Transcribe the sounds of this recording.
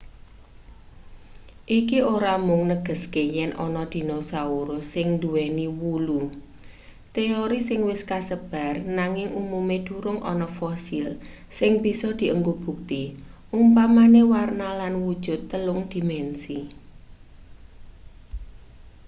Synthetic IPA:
ʔikioɾamʊŋnəɡ̥ə̤skejɛnʔɔ̰nɔd̪̥i̤nosauɾʊsɪŋnd̪uwɛniwulu | t̪eoɾisɪŋwɪskasəb̥a̤rnaŋɪŋumumed̪̥ṳɾʊŋʔɔ̰nɔfɔsil | sɪŋb̥i̤sɔd̪̥i̤ʔəŋɡob̥ṳk̚t̪iʔumpamanewarnalanwud̥ʒ̥ʊ̤t̪ːəlʊŋd̪̥i̤mɛnsi

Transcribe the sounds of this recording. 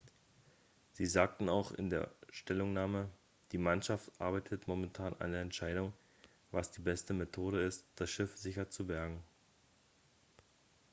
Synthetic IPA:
z̥iːzaːk̚tn̩aʊxɪ̰ndeːɐʃtɛlʊŋnaːmə | d̥iːmanʃaftʔa̰ɐbaɪtʰətmomɛntʰaːnʔa̰ndeːɐɛntʃaɪɾʊŋ | vasd̥iːbɛstəmetʰoːɾəɪstd̥asʃɪfz̥ɪçɐt͡subɛɐɡŋ̩

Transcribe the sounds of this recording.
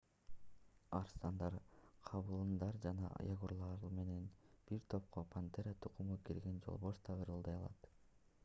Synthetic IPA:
ɑɾst̪ɑnd̪ɑɾqʰɑβɯlˠɯnd̪ɑɾd͡ʒɑnɑ̰ʔjɑɡuɾlˠɑɾume̞ne̞nb̥iɾt̪ʰo̞p̚qʰopʰant̪eɾat̪ʰuqumup̚ɡiɾɡe̞nd͡ʒo̰lˠβoʃt̪ʰɑʁɯɾɯlˠd̪ɑjɑlˠɑ̰t̪

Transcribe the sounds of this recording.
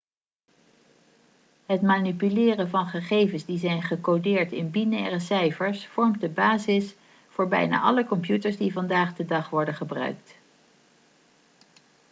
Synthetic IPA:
ɦətmaːnipylɪːrəvɑnχəχejvənzdizɛjnχəkodɪːɹtɪnbinɛːrəsɛjfəɹsfɔɹmt̚dəbaːzɪs | fʊːɹbɛ̰jna̰ːʔɑləkɔmpjutəɹzdivɑndaːχdədɑχʋɔɹdəχəbrœ̰ɥk̚t

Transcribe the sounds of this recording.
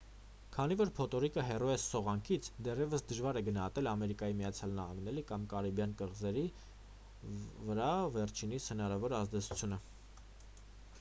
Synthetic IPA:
kʰɑnivɔɾpʰɔt̪ɔɾikəɦɛrɔɛssɔʁɑŋkʰit͡sʰd̪ɛrjɛvəsd̪əʒvɑɾɛɡənɑhɑt̪ɛlɑmɛɾikɑjimijɑt͡sʰjɑlnɑhɑ̰ŋɡnɛɾikɑmkɑɾibjɑnkəʁzɛɾi | vəɾɑvɛɾt͡ʃʰinishənɑɾɑvɔɾɑzd̪ɛt͡sʰu̥t͡sʰjunə

